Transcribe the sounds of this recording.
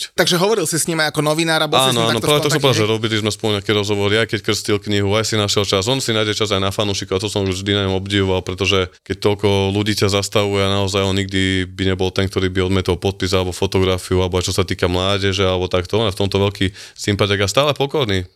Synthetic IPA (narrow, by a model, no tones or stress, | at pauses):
t̪aɡʒɛɦɔʋɔɾilsisɲimajakɔnɔʋinaːɾabɔasːnɔaːnɔpɾaʋɛɔkssɔmpɾd̪aaʒɛɾɔbilizmɛspɔluɲɛakiɾɔzɦɔʋɔɾiajkɛckr̩scilkɲiɦuajsinaʃjɛlt͡ʃazɔnsinajɟɛt͡ʃazajnafanuʃikuat̪ɔsɔmʒd̪inaɲɔmɔbɟiʋɔʋalpɾɛt̪ɔʒɛkɛc̚t̪ɔlkɔluɟiːcazast̪aʋujɛanaɔzajɔnɲiɡ̚d̪ibiɲɛbɔlt̪ɛnkt̪ɔɾiːbiɔd̪mɪɛt̪ɔlpɔt̪̚pizalɛbɔfɔt̪ɔɡɾafiualɛbɔajt͡ʃɔsat̪iːkamlaːɟɛʒɛalɛbɔt̪akt̪ɔɔnɛft̪ɔmt̪ɔʋɛʎkiː | simpadɛɡast̪aːlɛpɔkɔɾniː